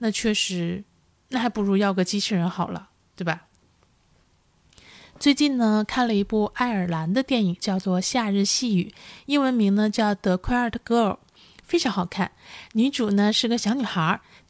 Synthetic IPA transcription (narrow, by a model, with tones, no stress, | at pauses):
na˥˧t͡ɕʰɥɛ˥˩ʂɻ̩˧˥ | na˥˩xa˧˥ɪpu˧˥ɻu˥˧jɑ˥˧ʊɡə˥˩t͡ɕi˥ʈ͡ʂ̩ʰ˥˩ɻə˧˥nxɑ˨˩ʊlə̰˦ | t̪we˥˩bɐ˩ | t͡swe˥˧ɪt͡ɕi˥˩nnə˩kʰa˥˩nlə˩i˧˥pu˥˩a˥˩ɪə˞˨˩la˧˥nd̪ə˧t̪jɛ˥˩ni˨˩ŋt͡ɕjɑ˥˧ʊt͡swɔ˥˧ɕja˥˧ɻɻ̩˥˧ɕi˥˩y̰˨˩˦i˥˩wə˧˥nmi˧˥ŋnə˧t͡ɕjɑ˥˩ʊt̪ɤ˧˥kʰə˞˥˩t̪ʰkɤ˥ə˞˨˩˦ | fe˥ɪʈ͡ʂʰɑ˧˥ŋxɑ˨˩ʊkʰa˥˩nny˧˥ʈ͡ʂu˨˩nə˦ʂɻ̩˥˩ɡə˩ɕjɑ˧˥ŋny˨˩xə˞˧˥